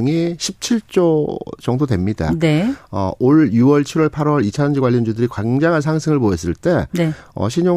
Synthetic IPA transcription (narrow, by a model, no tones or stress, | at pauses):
ŋiɕʰip̚t͡ɕʰiɭt͡ɕ͈ot͡ɕʌŋdodwe̞mɲida̰neʌ̰ʔoɭjuwʌɭt͡ɕʰiɾwʌɭpʰaɾwʌɾit͡ɕʰand͡ʑiɡwaʎːind͡ʑudɯɾikwaŋd͡ʑaŋɦansʰaŋsʰɯŋɯɭpoes̬͈ɯɭt͈e̞eʌ̰ɕʰiɲo